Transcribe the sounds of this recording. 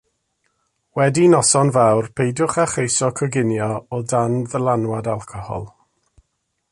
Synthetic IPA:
wɛdinɔsɔnvawrpʰejdjʊχaχejsɔkʰəɡɪnjɔɔdanðəlˠanwadalˠkʰɔhɔ̰lˠ

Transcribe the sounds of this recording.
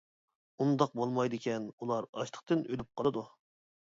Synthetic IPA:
und̪ɑq̚bolˠmɑjd̪ɨkʲɛnulˠɑɾɑ̰ʃt̪ʰə̥qt̪ɨnølyp̚qʰɑlˠɨd̪u

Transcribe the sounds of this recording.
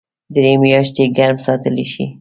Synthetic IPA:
d̪ɾemjɑʃt̪eɡaɾmsɑt̪əleʃḭ

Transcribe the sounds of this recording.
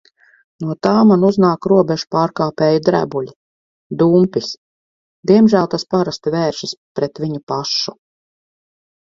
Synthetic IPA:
nuɔt̪aːmanuznaːkɾuɔbʲɛʒu̥paːɾkaːpɛːjud̪ɾæ̰bulʲi | d̪uːmpis | d̪iɛmʒæːlˠt̪aspaɾast̪vɛːɾʃispɾɛt̪viɲupaʃu

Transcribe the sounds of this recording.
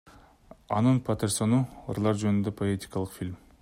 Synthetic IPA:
ɑ̰nɯnpʰɐt̪eɾso̞nuɾlˠɑɾd͡ʒønynd̪epʰoet̪ʲi̥kɑlˠɯqfʲilʲm

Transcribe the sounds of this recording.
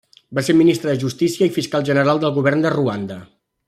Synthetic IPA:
baseɾminist̪ɾəðəʒust̪isiəifiskalˠʒənəɾalˠd̪əlˠɣuβ̞ɛrnd̪əruand̪ə

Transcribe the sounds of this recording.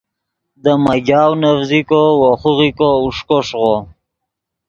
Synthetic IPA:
d̪əmaɡɑːwnavzikowoχuʁikouʂkoʂʁo

